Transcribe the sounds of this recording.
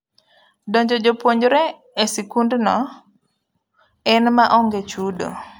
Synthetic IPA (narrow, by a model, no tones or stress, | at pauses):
dɔɲd͡ʒɔd͡ʒopwoɲd͡ʒɾɛː | sikundnɔ | ɛnmaʔɔŋɡet͡ʃudo̰